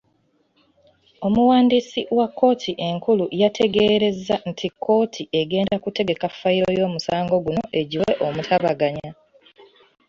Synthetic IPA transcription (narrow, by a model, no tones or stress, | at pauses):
o̞muwaːndiːsiwakːo̞ːtʰiʔe̞ŋkulujatʰe̞ɡe̞ːɾe̞zːantʰikʰːo̞ːtʰiʔeɡe̞ːndakute̞ɡe̞kafːaiɾojo̞ːmusaːŋɡo̞ɡuno̞ʔe̞ɟiweʔo̞mutʰaβaɡaɲa